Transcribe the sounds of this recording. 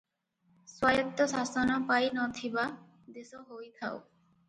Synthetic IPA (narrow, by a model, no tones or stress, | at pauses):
swajɔt̪ːɔsasɔnɔpajnɔt̪ʰiba | d̪esɔɦojt̪ʰa̰w̰